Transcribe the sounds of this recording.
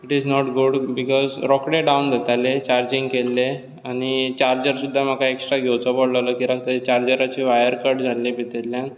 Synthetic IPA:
iʈiznɔʈɡuɖbikɔzɾɔkɽeɖawnd̪et̪alet͡ɕaɾd͡ʑĩŋɡkelːe | aɽ̃it͡ɕaɾd͡ʑəɾsud̪ʱːam̤əkaeksʈɾaɡʱewt͡sɔbɔɽlələkiɾaɡt̪ət͡ɕaɾd͡ʑəɾat͡ɕiʋajəɾkəɾʈd͡zʱalːibit̪ellːjãn

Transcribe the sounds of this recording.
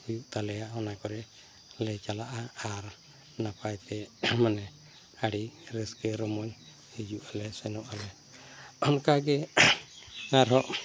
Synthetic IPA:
ujuʔt̪alɛjaɔnakɔɾɛ | lɛt͡ʃalaʔaːɾ | napajt̪ɛmanɛ | aɽiɾəsɡɛɾɔmɔɲ | hed͡ʒuʔalɛsɛnɔʔalɛ | ɔnkaɡɛ | aɾɦɔʔ

